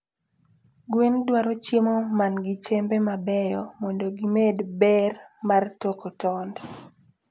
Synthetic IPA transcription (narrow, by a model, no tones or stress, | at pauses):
ɡwendwaɾɔt͡ʃimomanɡɪt͡ʃembɛmabɛjɔmɔndoɡimedbɛrmartokotɔnd